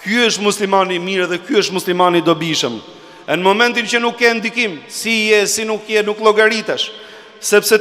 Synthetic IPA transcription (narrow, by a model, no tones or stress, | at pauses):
kuəʃt̪muslimanimiɾɛðɛkjuəʃt̪muslimanid̪ɔbiʃəm | ɛnəmɔmɛ̃nt̪incənukːɛnd̪ikimsijɛsinukːjɛnuklˠɔɡaɾit̪ɛʃ | sɛpsɛ